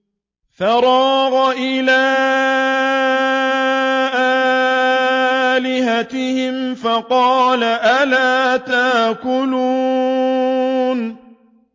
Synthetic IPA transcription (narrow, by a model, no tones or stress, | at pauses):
θɑɾˤɑːɣʔɪlaː | ʔa | lɪɦat̪ɪhɪmfɑqɑːlaʔalaːt̪akʊluː | n